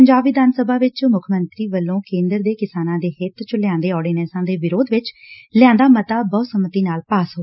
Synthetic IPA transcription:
pəɲd͡ʒaːbiːd̪aːnsəbʱaːʋɪt͡ʃmʊkʰmənt̪ɾiːʋəlːõːkẽːnd̪əɾd̪eːkɪsaːnãːd̪eːɦɪt̪t͡ʃlɪjãːnd̪eːɔːɖiːnɛːsãːd̪eːʋɪɾoːd̪ʋɪt͡ʃlɪjãːnd̪aːmət̪aːbɔːsəmət̪iːnaːlpaːsɦoː

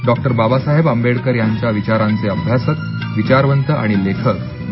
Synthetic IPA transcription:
ɖɔk̚ʈəɾbabasaɦebəmbeɽkəɾjaɲt͡ɕjaʋit͡ɕaɾant͡seəbʱjasək̚ | ʋit͡ɕaɾʋənt̪əʔa̰ɽ̃ilekʰək

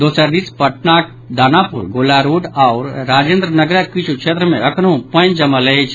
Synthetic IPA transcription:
d̪oːsəɾd̪ispəʈnaːk̚ | d̪aːnaːpṵɾɡolaɾoːɖaʊɾːaːd͡ʒẽːnd̪ɾənəɡɾəkit͡ʃʰukʃʰeːt̪ɾəmḛ̃ɐkʰnõpə̃nd͡ʒɐməlet͡ʃʰ

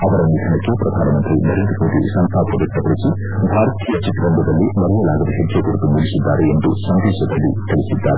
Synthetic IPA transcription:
ɐʋɐɾɐniʈ̪ʰɐnɐkːepɾɐd̪ʱaːnɐmɐnt̪ɾinɐɾend̪ɾɐmoːd̪isɐnt̪ʰaːpɐd̪ɐkʈ̪ːɐpɐɾisi | bʱaːɾɐt̪ijɐt͡ʃiʈ̪ːɾɐnb̪ʱɐd̪ɐlːimɐɾɐjɐlaːɡɐd̪ɐɦeɡ̪jɐkuɾɐt̪uniɭisid̪ːaːɾeend̪usɐnd̪eːʃjɐd̪ɐlːit̪eɭisid̪ːaːɾe

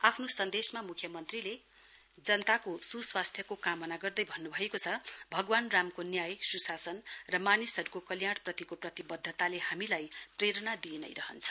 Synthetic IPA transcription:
apʰnosʌnd̪esmamukʰjʌmʌnt̪rile | d͡zʌnʌt̪akosuswast̪ʰjʌkokamʌnaɡʌrd̪ʌjbʱʌnːubʱʌekot͡sʰʌbʱʌɡwanramkonjajsusasʌnrʌmanisʌɾukokʌljaɽprʌt̪ikoprʌt̪ibʌd̪ʱːʌt̪alehamilajpreɾʌnad̪ienʌ̰jɾʌɦʌnt͡sʰʌ̥

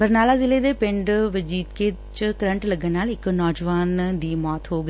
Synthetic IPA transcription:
bɐɾnaːlazɪled̪epɪ̃ɳɖʋɐd͡ʑiːt̪kʰe | t͡ɕkɐɾə̃ɳʈlɐɡənnaːlɪknɔːd͡ʑʋaːnd̪iːmɔːt̪ɦoːɡ

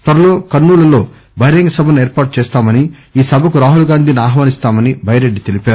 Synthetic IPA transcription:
t̪ɐɾɐlo̞ːkɐnːuːlɐlo̞ː | bʱɐjɾeŋɡɐsɐbʱɐnueːɾpaːʈ̚t͡ʃɛːst̪aːmɐniiːsɐbʱɐkuɾaːɦulɡaːnd̪ʱiniaːɦʋaːnist̪aːmɐnibʱɐjɐɾeɖːit̪e̞lipaːɾu

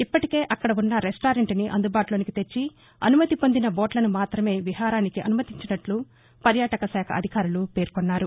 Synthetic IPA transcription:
ipːɐʈike̞ːʔɐkːɐɽɐunːɐɾesʈaːɾeɳʈniʔɐ̰nd̪ubaːʈlo̞ːnikit̪et͡ʃːi | ɐ̰numɐt̪ipo̞nd̪inɐboːʈlɐnumaːt̪ɾɐme̞ːʋiɦaːɾaːnikiʔɐ̰numɐt̪iɲt͡ʃinɐʈlu | pɐɾjaːʈɐkɐsaːkʰɐ̰ʔɐd̪ʱikaːɾulupe̞ːɾkɔnːaːɾu

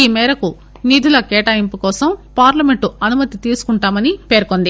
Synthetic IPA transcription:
iːmɛːɾɐku | niːd̪ʱulɐkɛːʈaːjimpukɔːsɐmpaːɾlɐmeɳʈuɐnumɐt̪it̪iːsu̥kuɳʈaːmɐnipe̞ːɾkond̪i

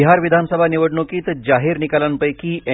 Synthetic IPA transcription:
iɦaɾʋid̪ʱansəbʱaniʋəɽɳokiːt̪d͡ʑaɦiːɾnikalanpəjkiːe

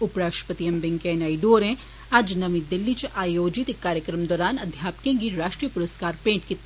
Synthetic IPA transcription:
ʊpɾaːʃʈɾə̥pət̪iembɪ̃ŋɡkẽːnaːiɖoːɾɛ̃ | ɐd͡ʒnɐʋĩd̪ɪlːit͡ʃʔaːjoːd͡ʒɪt̪ekːaːɾjəkɾəmd̪ɔːɾaːnɐd̪ʱjaːpkẽːŋɡiɾaːʃʈɾijəpʊɾəskaːɾpẽːɳʈki

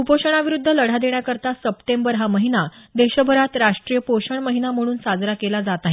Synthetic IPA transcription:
upoɕəɳ̃aʋiɾud̪ʱːələɽ̤ad̪eɳjakəɾt̪asəpʈembəɾɦaməɦinad̪eɕəbʱəɾat̪ɾaʂʈɾijəpoɕəɳməɦinam̤əɽ̃uːnsad͡zɾakelad͡zat̪aɦe

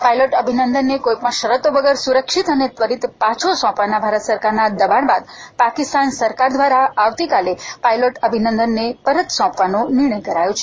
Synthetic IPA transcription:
pajloʈəbʱinənd̪ənːekoipəɳʃəɾət̪oʋəɡəɾsuɾəkʃit̪ənet̪ʋəɾit̪pãt͡ʃʰosɔ̃pʋanabʱaɾət̪səɾkaɾnad̪əbaɳbad̪pakist̪ansəɾkaɾd̪ʋaɾaaʋt̪ikalepailoʈəbʱinənd̪ənːepəɾət̪sɔ̃pʋanonɪɾɳəjkəɾajot͡ʃʰe

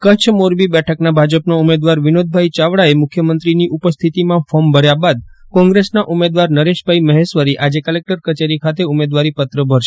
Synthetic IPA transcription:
kət͡ʃʰmoɾbibɛʈʰəknabʱad͡ʒəpnoumed̪ʋaɾʋɪnod̪̚ʱbʱait͡ʃaʋɽaemʊkʰjəmənt̪ɾiniʔupəst̪ʰit̪imãfɔmbʱəɽjabad̪kɔ̃ŋɡɾesnaʔumed̪ʋaɾnəɾeʃbʱaiməɦeʃʋəɾiʔad͡ʒekəlek̚ʈəɾkət͡ʃeɾikʰat̪eumed̪ʋaɾipət̪ɾəbʱəɾʃe̥

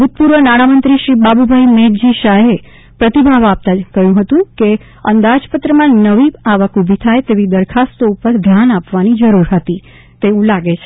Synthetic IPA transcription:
bʱut̪̚puɾʋənaɽamənt̪ɾiʃɾibabubʱajmeʈd͡ʒiʃaɦe | pɾət̪ibʱaʋap̚t̪akəɦjũɦət̪ũke | ənd̪ad͡ʒpət̪ɾəmãnəʋiaʋəkubʱit̪ʰajt̪eʋid̪əɾkʰast̪oupəɾd̪ʱjanapʋanid͡ʒəɾuɾɦət̪i | t̪eũlaɡet͡ʃʰe

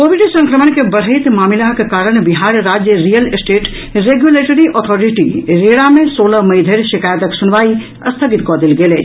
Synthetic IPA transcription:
koːbiɖsə̃ŋkɾəmənkebəɽ̤ɦɪt̪maːmilaɦkekaːɾəɽ̃biɦaːɾɾaːd͡ʒjəɾijəlsʈeːʈ | ɾeɡjuleːʈəɾiʔɔt̪ʰɔːɾiʈiɾeːɽamẽsoːləmɐɪd̪ʱeɾʃɪkaːjət̪əksʊnʋaːi | ɐst̪ʰəɡit̪̚kɔd̪ilɡeleː

